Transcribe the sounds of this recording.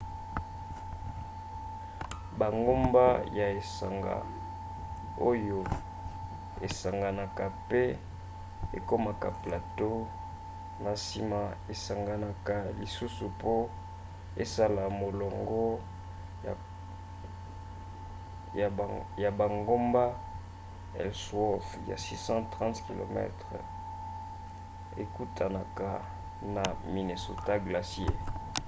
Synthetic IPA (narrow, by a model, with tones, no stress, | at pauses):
ba˨ŋɡo˦mba˦ja˨e˨sa̰˨ŋɡa̰˨ | o˦jo˨ | ḛ˨sa˨ŋɡa˨na˨ka˨pe˦ | ḛ˨ko˦ma˨ka˨pla˨to˦ | na˨si˨ma˨e˨sa˨ŋɡa˨na˨ka˨li˨su˦su˨po˦ | e˦sa˦la˨mo˨lɔ˨ŋɡɔ˦ | a˨ | ja˨ba˨ŋɡo˦mba˦ | ɛ̰˨lswɔ˦fja̰˨si˦sɑ̃˦tʁɑ̃˦tki˨lo̰˨mɛ̰˦tʁ̰ | ḛ˨ku˦tʰa˨na˨ka˨ | na˨mi˨ne˨so̰˨ta˦ɡla˨sje˦˨